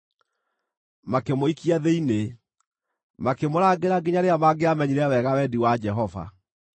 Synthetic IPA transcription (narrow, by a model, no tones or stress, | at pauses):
makemoikiaðeine | makemoɾaɡeɾaɡeɲaɾeamaɡeamɛɲiɾɛwɛɣawɛdiwad͡ʒɛɦɔva̰